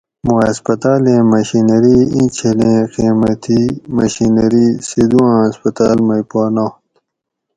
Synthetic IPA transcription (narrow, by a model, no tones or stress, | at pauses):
moɐspɐt̪aːlẽːmɐɕinɐɾiĩt͡ɕʰelẽːqiːmɐt̪ʰimɐ̰ɕinɐɾised̪uãːɐspɐt̪aːlmɐjpaːnaːt̪